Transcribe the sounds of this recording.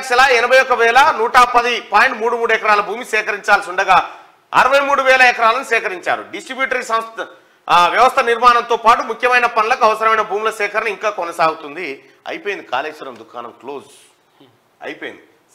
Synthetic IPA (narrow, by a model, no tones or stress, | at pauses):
ksɛlaːɛnɐbʱɐjɔkːɐʋɛːlɐnuːʈapɐd̪ipaːjɳʈmuːɽumuːɽuɛkɐɾaːlɐbʱuːmisɛːkɐɾiɲt͡ʃaːlsiuɳɖɐɡaː | ɐ̰ɾɐʋɐjmuːɽuʋɛːlɐɛkɐɾaːlɐnusɛːkɐɾiɲt͡ʃa̰ːɾṵɖisʈɾibjuːʈɐɾisɐmst̪ | ʋjɐʋɐst̪ʰɐniɾmaːnɐnt̪oːpaːʈumukʰjɐmɐjnɐpɐnulɐkuɐʋɐsɐɾɐmɐjnɐbʱuːmilɐsɛːkʰɐɾɐnɐiŋkaːkɔnɐsaːɡut̪und̪i | ɐ̰jpoːjind̪ika̰ːleːsɐɾɐmd̪ukʰa̰ːnɐ̰mkloːz | ɐ̰jpoːjḭnd̪i